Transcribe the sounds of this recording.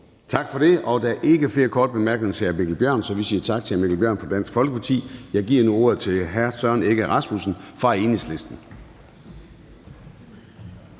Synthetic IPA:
t͡sʰɑ̈ɡ̥fɒ̽ɾ̥e̝ɒ̽d̥æʔe̝ɡ̥əfle̝ːɐkʰɒːd̥̚b̥e̝mæɐɡ̥nesəæɐme̝ɡ̥l̩bjɶɐ̰nsɒ̽ʋisiːɐt͡sʰɑ̈ɡ̥̚t͡sʰe̝æɐmeɡ̥l̩b̥jɶɐ̰nfɒ̽d̥æn̰sɡ̥fɒ̽lɡ̥əpʰɑ̈t͡sʰḭːjɑ̈ɪɡ̥iɐnuo̝ɐ̰ð̩ˠt͡sʰe̝lɦæɐsɶɐne̝ɡ̥əæʁɑ̈smusn̩fʁɑ̈æe̝ːnisle̝sd̥n̩

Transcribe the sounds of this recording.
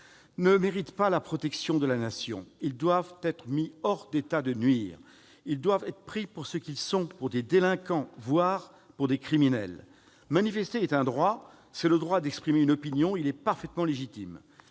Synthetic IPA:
nəmeʁit̪palapχɔt̪ɛksjɔ̃d̪əlanasjɔ̰̃ild̪wavt̪ɛt̪χəmiɔʁd̪et̪ad̪ənɥiːʁ | ild̪wavɛt̪χəpχipuʁsəkʲilsɔ̃puʁd̪ed̪elɛ̃kɑ̃vwaʁ | puʁd̪ekχiminɛ̰l | manifɛst̪eɛt̪ɛ̃d̪ʁwa | sɛləd̪ʁwad̪ɛkspχimeynɔpinjɔ̃ilɛpaʁfɛt̪mɑ̃leʒit̪im

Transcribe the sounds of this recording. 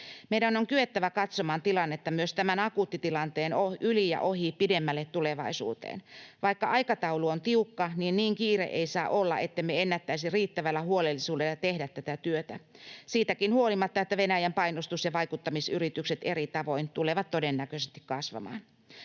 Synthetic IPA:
meiɾænoŋkyet̪ːæʋækɑt̪somɑːnt̪ilɑnːet̪ːɑmyøst̪æmænɑkuːt̪ːit̪ilɑnt̪eːnoʔylijɑ̰ʔohipidemːælːet̪t̪uleʋɑisṵːt̪ḛːnʋɑikːɑʔɑikɑt̪ɑuluont̪iukːɑniːnniːŋkiːrḛʔḛisɑːʔolːɑ̰ʔet̪ːemeenːæt̪ːæisiriːt̪ːæʋælːæhuolelːisuːdelːɑt̪ehdæt̪ːæt̪æt̪yøt̪æsiːt̪ækinhuolimɑt̪ːɑet̪ːæʋenæjæmpɑinost̪usjɑʋɑikut̪ːɑmisyrit̪ykset̪erit̪ɑʋo̞int̪uleʋɑt̪todenːækøsest̪i̥kkɑsʋɑ̰mɑ̰ːn

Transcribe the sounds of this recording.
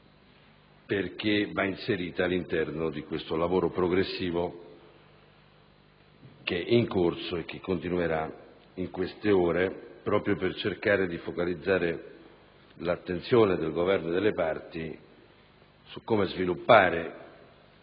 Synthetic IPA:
perk̟evainseɾiːt̪aːlːint̪ɛrnod̪ikwest̪olavoːɾopɾoɡɾesːiːvo | k̟eʔiŋkorsoek̟ːekːont̪inueɾa | iŋkwest̪eoːɾepɾɔːpɾjopert͡ʃerkaːɾed̪ifokalid̪zːaːɾe | lat̪ːent̪sjoːned̪elɡovɛrnoed̪elːepart̪i | sukːomezvilupːaːɾe

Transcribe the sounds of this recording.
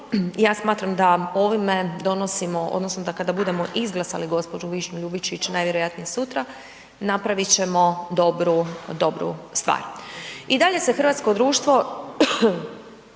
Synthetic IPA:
jaːsmaːt̪ɾamd̪ao̞ʋimed̪o̞no̞simo̞ʔo̰d̪nosnod̪akad̪abud̪e̞mo̞ʔizɡlˠasa̰liɡo̞spod͡ʒuʋiʃɲuʎubit͡ʃit͡ɕnajʋjeɾojat̪nijesut̪ɾa | napɾaʋit͡ɕe̞mo̞d̪o̞bɾud̪o̞bɾṵst̪ʋa̰ːɾid̪aʎe̞se̞xrʋaːt̪sko̞d̪ɾuːʃt̪ʋo̞

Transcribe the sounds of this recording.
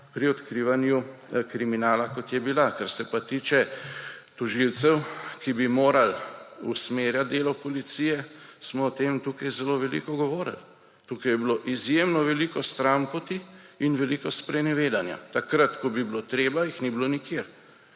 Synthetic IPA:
pɾiɔt̪kɾiːʋanjukɾiminaːlakɔt̪jɛbilakaɾsɛpat̪iːt͡ʃɛ | t̪ɔʒilt̪sɛwkibimoːɾalusmeːɾjat̪̚d̪eːlɔpɔlit̪sijɛsmɔːt̪emt̪uːkajzɛloʋɛlḭkɔɡɔʋoːɾə̰l | t̪ukajɛbiloʔizjemnɔʋɛlikɔst̪ɾampɔt̪iinʋɛlikɔspɾɛnɛʋeːd̪anja̰t̪akɾat̪kɔbiblot̪ɾeːbajixnibilonikjeɾ

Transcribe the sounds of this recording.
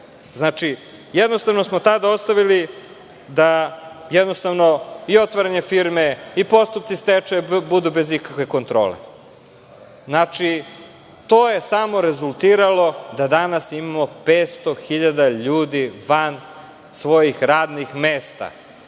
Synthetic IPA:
znat͡ʂi | jɛd̪nost̪aʋno̞smot̪ad̪ao̞st̪aʋili | d̪ajɛd̪no̞st̪aʋno̞io̞t̪ʋaɾaɲefiɾmeipo̞st̪up̚tsist̪et͡ʂebud̪ubezikakʋe̞ko̞nt̪ɾo̞̰ːlḛ | znat͡ʃi | t̪o̞je̞samo̞ɾe̞zulˠt̪iːɾalˠo̞d̪ad̪anasimamo̞peːt̪st̪o̞xiʎad̪aʎuːd̪iʋan | sʋo̞jixɾaːd̪nixmeːst̪a̰

